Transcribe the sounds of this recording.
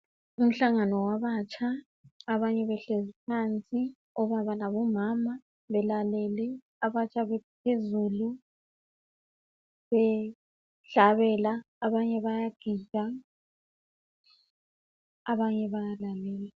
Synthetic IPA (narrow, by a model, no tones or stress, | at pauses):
um̩ɬaŋanɔwaβat͡ʃʰʼaː | βaɲɛβɛɬezipʰant͡sʼi | ɔβaβanaβɔmama | βɛlalɛlɛ | aβat͡ʃʰʼaβɛpʰezulu | βɛ | ɬaβɛlaː | βaɲɛβajaɡ̥ʱid͡ʒʱa | aβaɲɛβajalalɛːlɛ